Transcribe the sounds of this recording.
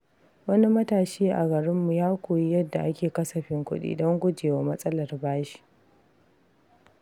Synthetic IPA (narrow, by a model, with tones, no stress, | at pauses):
wɐ˦ni˦mɐ˦taː˨ʃeː˦ʔa˨ɡɐ˨ɽɪ˦mːu˨jaː˦kʷoː˨ji˦jɐ˦dːa˨ʔa˦kʲeː˨kɐ˦sɐ˨ɸɪ˦ŋkʷʊ̰˦ɗḭː˦dɔ˦ŋɡʷʊ˦d͡ʒeː˨wa˨mɐ˦sʼɐ˦lɐ˨rbaː˦ʃi̥˦ʔ